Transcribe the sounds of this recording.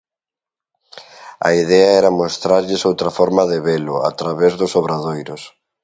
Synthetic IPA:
ɐ̰iðɛaɛɾɐmost̪ɾaɾʎɪsowt̪ɾɐfɔɾmɐðɪβelʊa̰t̪ɾaβezðʊsoβɾaðojɾʊs

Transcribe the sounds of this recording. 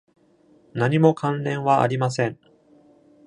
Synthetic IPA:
naɲ̟imo̞kãnɾẽ̞ɰ̃βaʔa̰ɾʲimasẽ̞ɴ

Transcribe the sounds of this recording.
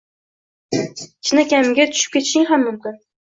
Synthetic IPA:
t͡ʃʰnakʲamɪɡʲat̪ʰʊ̥ʃɪ̥p̚kʲe̞t̪ʰɪʃɪŋɦamːʊmkʲɪn

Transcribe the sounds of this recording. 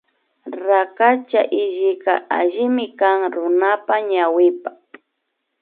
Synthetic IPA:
ɾakat͡ʃaʔɪʒɪka̰ʔaʒɪmɪkaŋɾʊnapaɲawɪpa

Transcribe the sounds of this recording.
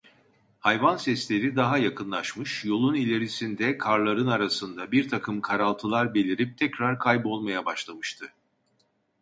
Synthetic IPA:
hajvansɛslʲe̞ɾid̪aɦajakʰɯnlˠaʃmɯʃjo̞lˠunilʲe̞ɾisind̪ɛkʰaɾlˠaɾɯnaɾasɯnd̪abiɾt̪ʰakʰɯmkʰaɾalˠt̪ʰɯlˠaɾbe̞lʲiɾip̚t̪ʰɛcɾaɾkʰajbo̞lˠmajabaʃlˠamɯʃt̪ʰɯ

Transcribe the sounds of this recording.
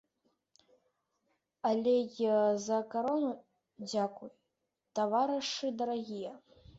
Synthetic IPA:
alʲɛjzɐkaɾɔnu | d͡zʲakuj | t̪avaɾɨʂɨd̪ɐɾaɣʲijɐ

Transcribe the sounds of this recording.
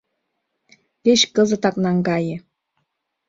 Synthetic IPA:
keɕkɤ̆zɤ̆t̪ɑknɑŋɡɑjɘ̆

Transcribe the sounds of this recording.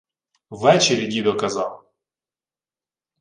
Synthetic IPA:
vɛt͡ɕɪɾʲɪdʲid̪ɔkɐzalˠ

